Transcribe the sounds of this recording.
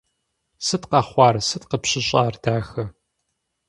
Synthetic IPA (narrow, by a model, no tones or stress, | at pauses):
sɨtqɐχʷɑːrsɨtqəpɕɪɕʼaːrd̥aːxɐ